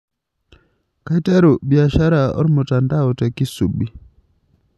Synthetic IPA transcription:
ka˦i˦tɛ˦ɾu˨ɓi˨a˨ʃa˦ɾa˨ɔ̰˦ɾmʊ˨ta˨nda˦ɔ˨tɛ˨ki˦su˨ɓi˦

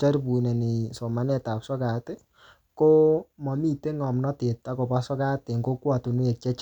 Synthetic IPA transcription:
t͡ʃa˦rpu˨nɛ˨nɪ˨so˨ma˨˦nɛ˦ta˨psɔ˦ka˨te˦ | ko˦mɔ˨mi˦˨te˦ŋɔ˨mnɔ˦te˨tːa˦ko˨pa˦sɔ˦ka˦te˨ŋɡo˦kwɔ˦˨tu˨nu˦e˨k̚t͡ʃɛ˦t͡ʃ

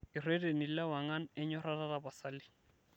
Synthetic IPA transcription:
ɪ˨re˦de˨ni˨˦la˦wa˨ŋa˦nɛ˦ɲɔ˦ɾa˦ra˦ra˨ba˨sa˦lɪ˦

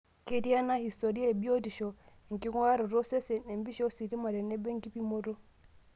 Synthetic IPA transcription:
ke˦di˦a˦na˦hi˨stɔ˨ɾi˦a˦ɛ˨bi˦o˦di˨ʃɔ˨ | ŋ˨ki˦ŋwa˦ɾɔ˨ɾɔ˦sɛ˦sɛ˨nɛ˨mbi˦ʃɔ˦si˨ɾi˦ma˨ɾɛ˨nɛ˦bɛ˦ŋ˦ɡi˦pi˦mo˦ɾo˦

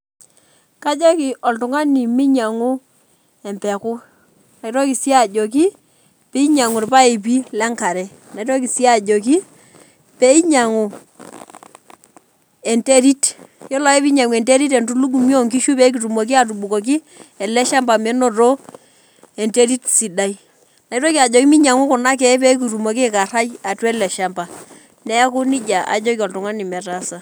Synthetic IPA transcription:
ka˦d͡ʒo˦ki˨ɔ˨ltu˨ŋa˦ni˨mi˦ɲa˨ŋu˦ | ɛ˨mpɛ˨ku˦ | na˨i˨ɾo˦ki˨si˦a˦˨d͡ʒo˨k̬i˦ | pe˦i˦ɲa˨ŋu˨ɾpa˦e˨p̬i˦lɛ˦ŋka˨ɾɛ˨ | na˨i˦to˦ki˨si˦a˦˨d͡ʒo˨k̬i˦ | pe˦i˦ɲa˨ŋu˨ | ɛ˨nte˦ɾi˦tjɔ˦la˨ɛ˦pi˦ɲa˨ŋu˨ɛ˨nte˦ɾi˦t̬ɛ˨ntu˦lu˦ɡ̬u˨mjo˦ŋki˦ʃu˦pe˦k̬i˨tu˨mo˨k̬i˦a˨t̬u˨ɓu˨ko˨k̬i˦ | ɛ˨lɛ˦ʃa˦mba˨mɛ˦no˨to˦ | e˨nte˦ɾi˦tsi˨da˦i˦ | na˨i˦to˦ki˦a˨d͡ʒɔ˨ki˦mi˦ɲa˨ŋu˦kʊ˨na˦k̬ɛ˨˦pe˦k̬i˨tu˨mo˨ki˦ka˨ɾa˦ja˨twɛ˦lɛ˨ʃa˦mba˨ | nɛ˦a˦ku˦ni˦d͡ʒa˨a̰˨d͡ʒo˦ki˦ɔ˨ltʊ˨ŋa˦ni˨mɛ˨ta˦sa˦

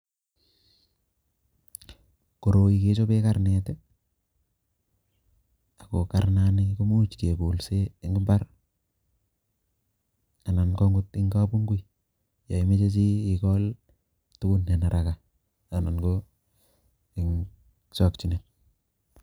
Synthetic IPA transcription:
ko˨ɾo˨ike˦t͡ʃo˦pe˦kaɾnete˦ | a˨ko˨kaɾna˦niku˦mu˦t͡ʃke˨bu˨lseː˦ŋɡi˦mba˦ɾ | a˨na˨nkɔ˦ŋɡu˦tɪ˦ŋɡa˦pu˦ŋɡu˦i | ja˨i˦me˦t͡ʃe˦t͡ʃi˦ki˨kɔ˦l | tu˦ku˦nːe˨na˨ɾʔaka˨ | a˨na˨nɡo | ɪ˨ŋ | sɔ˨kt͡ʃi˨ne˨n

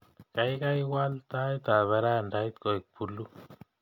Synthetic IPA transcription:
ka˨jka˦jwa˦lt̪a˦it̪a˨βa˨ɾa˦˨nda˦it̪ko˨i˨k̚pulːu˦

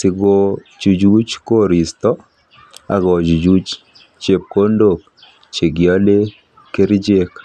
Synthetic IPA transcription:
sɪ˨ɡo˨ | t͡ʃu˨d͡ʒu˦t͡ʃko˦ɾi˨st̪ɔ˦ | a̰˨ɡɔ˨d͡ʒu˨d͡ʒu˦t͡ʃ | t͡ʃe˨p̚ko˦ndo˨k̚ | t͡ʃe˨ɡjɔ˦le˦ | ke˦ɾi˦d͡ʒe˦k

